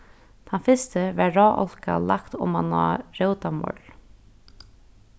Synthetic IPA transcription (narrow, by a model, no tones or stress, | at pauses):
t̪ʰanfɪst̪əʋɛɾaːʔɔ̰lka̰lakt̪ʊ̰mana̰ɾœwt̪amɔ̰ɹl